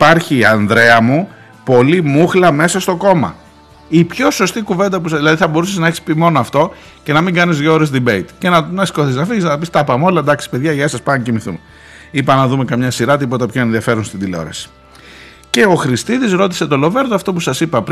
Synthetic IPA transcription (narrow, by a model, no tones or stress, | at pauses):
ipɐɾçiɐnðɾe̞ɐmu | po̞limuxlɐme̞sɐst̪o̞ko̞mɐ̰ | ipço̞so̞st̪ikuve̞nd̪ɐp̬usɐðilɐðiθɐbo̞ɾuseznɐeçi̥spimo̞noɐft̪o̞ | ce̞nɐmiŋɡɐnizðʝoɾezd̪ibeit̪cenɐnɐsi̥koθiznɐfiʝiznɐɐpist̪ɐpɐmo̞lɐed̪ɐksi̥pe̞ðʝɐʝɐesɐspɐncimiθṵme | ipɐnɐðume̞kɐmɲɐsiɾɐt̪ipo̞t̪ɐpço̞e̞nðiɐfe̞ɾonst̪ind̪ileo̞̰ɾɐ̰si̥ | ce̞o̞xɾist̪iðizɾo̞t̪̬ise̞t̪o̞lo̞ve̞ɾðoɐft̪o̞pusɐsipɐp